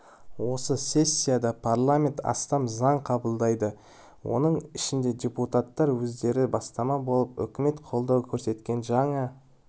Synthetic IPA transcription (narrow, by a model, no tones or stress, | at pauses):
wo̞səsʲe̞sʲːijad̪ɑpʰaɾlˠamʲe̞nt̪ɑ̰st̪ɑmzɑɴqʰɑbəlˠd̪ɑjd̪ə | wʔo̞̰nəɴɪʃɪnd̪e̞d̪ʲeput̪at̪ːɑɾwɵzd̪e̞ɾɪbɑst̪ɑmɑbo̞lˠəpʏ̰kʲɪme̞t̪qʰo̞lˠd̪ɑwkʲʰɵɾse̞t̪kʲe̞nʒɑɴə